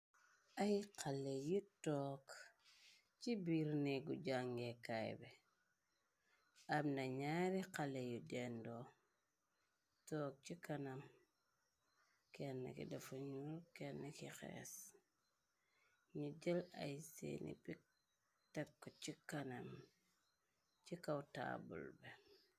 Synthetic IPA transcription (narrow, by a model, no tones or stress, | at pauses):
ajqʰalːejutɔːk | t͡ʃibiɾneɡud͡ʒaŋɡekajbe | abnaɲaɾiqalejudendo | tɔk̚t͡ʃikanam | kenːḛkḭdafuɲulkenːekixḛs | ɲud͡ʒela̰jsḛnḭbi | tekːot͡ʃikanam | t͡ʃikawta̰ːbṵlbe